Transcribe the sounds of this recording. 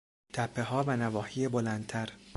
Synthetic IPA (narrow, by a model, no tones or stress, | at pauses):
t̪ʰæpʰːe̞ɦɒːvænævɒːhiːjebolænd̪̚t̪ʰæɾ